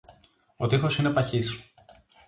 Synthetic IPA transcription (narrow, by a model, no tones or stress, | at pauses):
ot̪ixo̞sine̞pɐçis